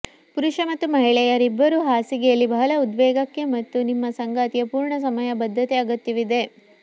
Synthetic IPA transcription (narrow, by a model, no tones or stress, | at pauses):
puɾuʂɐmɐt̪ːumɐɦiɭɛjɐɾibːɐɾuːɦaːsiɡɛjɐlːibɐɦɐlɐud̪ʋɛːɡɐkːe̞mɐt̪ːunimːɐsɐŋɡaːt̪ijɐpuːɾɳɐs̬ɐmɐjɐbɐd̪ʱːɐt̪eɐɡɐt̪ːjiʋid̪e̞